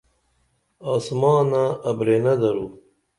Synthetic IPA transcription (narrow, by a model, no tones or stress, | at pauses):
aːsmɑːnaːbɾeːnɐd̪ɐɾuː